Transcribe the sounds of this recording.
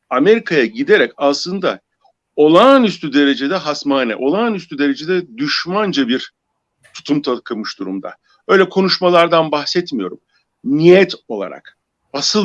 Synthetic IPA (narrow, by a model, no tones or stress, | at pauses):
ame̞ɾikʰajaɟid̪e̞ɾɛcaslˠɯnd̪a | o̞lˠanyst̪ʰyd̪e̞ɾe̞d͡ʒe̞d̪ɛɦasmaːnɛ̰ʔo̞lˠanyst̪ʰyd̪e̞ɾe̞d͡ʒe̞d̪ɛd̪yʃmand͡ʒabiɾ | t̪ʰu̥t̪ʰumt̪ʰakʰɯmɯʃd̪uɾumd̪a̰ | ø̞jlʲɛkʰo̞nuʃmalˠaɾd̪anbaxsɛt̪mijo̞ɾum | nijɛt̪o̞lˠa̰ɾa̰k | asɯ